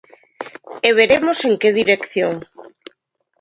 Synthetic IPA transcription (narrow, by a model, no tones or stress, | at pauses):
eβ̞eɾemoseŋkeðiɾekθjoŋ